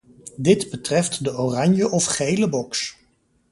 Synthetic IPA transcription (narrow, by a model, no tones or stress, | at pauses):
dɪdbətrɛftdəorɑɲjəʔɔfχejləbɔks